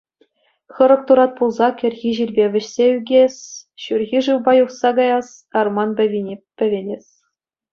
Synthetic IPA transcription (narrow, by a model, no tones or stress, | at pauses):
χɤ̆ɾɤ̆k̚t̪uɾɑt̪̚pulˠzɑkʲɘ̆rʲɣʲiʑilʲbʲeʋʲɘ̆ɕsʲeyɡʲesʲɕurʲɣʲiʐɯwbɑjuχsɑɡɑjɑs | ɑrmɑnbʲɘ̆ʋʲinʲepʲːɘ̆ʋʲenʲesʲ